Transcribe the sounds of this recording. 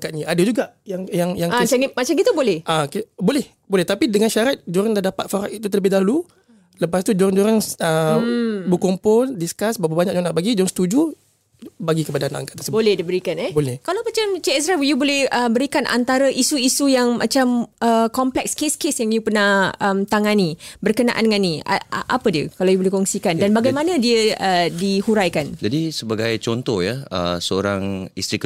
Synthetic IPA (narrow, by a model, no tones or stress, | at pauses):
aŋkat̪̚ɲaʔadad͡ʒuɡaʔjaŋjaŋjaŋt͡ʃamat͡ʃamɡit̪ubolɛhʔakibolɛh | bolɛht̪apidəŋanʃaɾat̪̚d͡ʒoɾaŋdadapat̪̚faɾaʔit̪ut̪ələbɪhdalu | ləpast̪ud͡ʒoɾəŋd͡ʒoɾaŋə | bəkɔmpʊldiskasbawabaɲak̚d͡ʒonaʔbaɡid͡ʒɔaŋst̪ud͡ʒu | baɡikəpadanaa̰ŋkat̪̚ːəsəbolɛhdibəɾikanɛbolɛhkalawmat͡ʃamt͡ʃeɛs̬ɾafjubolɛhəbəɾikanʔa̰nt̪aɾəʔisuisujaŋmat͡ʃaməkɔmplɛkskeskesjaŋjupərnahəmt̪aŋanibərkənaʔa̰ndəŋanːiaʔapədiəkalawjubolɛhkɔŋsikandanbaɡajmanadiəədihuɾajkand͡ʒadisəbaɡajt͡ʃɔnt̪ɔhjaə̰səo̰ɾaŋist̪ɾik